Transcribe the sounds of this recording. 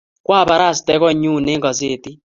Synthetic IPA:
kwa˦˨ba˨˦ɾa˦˨stɛ˦kɔ˦˨ɲu˦˨ne˦ŋkɔ˨s̬e˦˨ti˦

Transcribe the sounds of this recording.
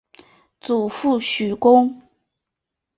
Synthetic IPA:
t͡su˨˩fu˥˩ɕy˨˩kʊ˥ŋ

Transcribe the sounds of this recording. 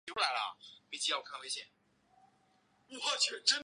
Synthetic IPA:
ʈ͡ʂu˥la˧˥ɪlə̰˧˨˩pe˧˥˩t͡ɕi˥jɑ˥˩kʰa˥˧we˥ɪɕjɛ˧˥˩n | wɔ˧˩t͡ɕʰɥɛ˨˧˩ʈ͡ʂə˥

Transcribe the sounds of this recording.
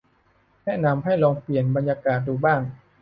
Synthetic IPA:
nɛ˦˥˩na˧mha˥˩jlɔː˧ŋpli˨˩ənba˧njaː˧kaː˨˩t̪̚duː˧baː˥˩ŋ

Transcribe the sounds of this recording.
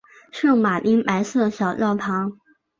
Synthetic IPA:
ʂɻ̩˥˩˥ŋma˨˩li˥ŋpa˧˥ɪsɤ˥˩d̪ə˩ɕjɑ˨˩ʊlɑ˥˩ʊpʰɑ˧˥ŋ

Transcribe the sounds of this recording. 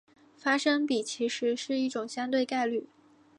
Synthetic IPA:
fa˥ʂɤ˥ŋpi˨˩t͡ɕʰi˧˥ʂɻ̩˧˥ʂɻ̩˥˧i˥˩ʈ͡ʂʊ˨˩ŋɕjɑ˥ŋt̪we˥˧ɪka˥˧ɪly˥˩

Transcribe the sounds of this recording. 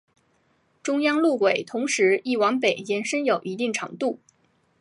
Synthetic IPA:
ʈ͡ʂʊ˥ŋjɑ˥ŋlu˥˩kwe˨˩ɪt̪ʰʊ˧˥ŋʂɻ̩˧˥i˥˩wɑ˧˥ŋpe˨˩ɪjɛ˧˥nʂə˥njo˨˩ʊʔi˧˥t̪i˥˩ŋʈ͡ʂʰɑ̰˧˥ŋt̪u˥˩

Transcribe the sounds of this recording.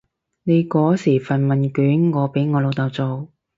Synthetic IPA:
ne˨˧jkɔː˨˥siː˨˩fɐ˨nmɐ˨nkyː˨˥nŋɔː˨˧pe˨˥jŋɔː˨˧lo˨˧wt̪ɐ˨˧wt͡so˨w

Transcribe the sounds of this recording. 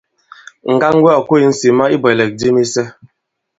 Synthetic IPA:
ŋ̩˨ɡa˦ŋ˦ɡwɛ˦ɔ˨ko˦i˨n̩˦si˨ma˦i˦bɔ˨ɛ˨lɛ˨k̚di˦ni˦sɛ˦

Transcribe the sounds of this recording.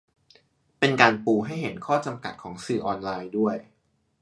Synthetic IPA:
pe˧nkaː˧npuː˧ɦa˥˩jɦe˩˦nkʰɔː˥˩t͡ɕa˧mka̰˨˩t̪̚kʰɔː˩˦ŋsɯː˨˩ʔɔː˧nlaː˧jdu˥˩əj

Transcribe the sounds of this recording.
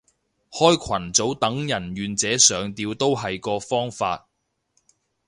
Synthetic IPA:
hɔː˥jkʷʰɐ˨˩nt͡so˨˥wt̪ɐ˨˥ŋjɐ˨˩nɥyː˨nt͡sɛː˨˥sœː˨˧ŋt̪iː˧wt̪o˥wɦɐ˨jkɔː˧fɔː˥ŋfa̰ː˧t̚

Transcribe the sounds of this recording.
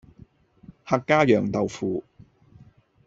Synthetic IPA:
ha˨˧kːaː˥jœː˨ŋt̪ɐ˨wfuː˨˧

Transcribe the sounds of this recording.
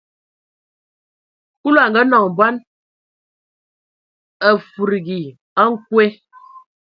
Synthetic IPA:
ku˦lo˦a˨ŋ˨ɡə˦nɔ˨ŋ˨ba˦n | ə˨fu˨ɾi˨ɡi˨ | a˦ŋ̩˦kwe˦

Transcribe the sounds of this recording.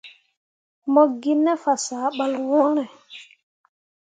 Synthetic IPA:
mɔ˦ɡi˦nːe˦fa˨saː˨˦ɓa˦lwɔ˦ɾe˨

